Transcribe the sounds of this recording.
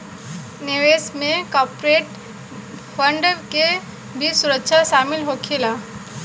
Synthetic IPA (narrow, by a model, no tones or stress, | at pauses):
neʋesmẽkɔpɾeʈ | fəɳɖəʋke | bʱisuɾəkʃʰaʃaːmɪlɦokʰila